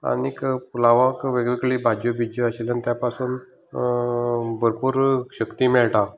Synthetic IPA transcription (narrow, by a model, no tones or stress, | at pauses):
a̰nikpulaʋãkʋəɡʋikɭiːbʱad͡ʑobʱid͡ʑəəɕelanit̪japasuːn | bəɾpuːɾɕəkt̪imɛɭʈa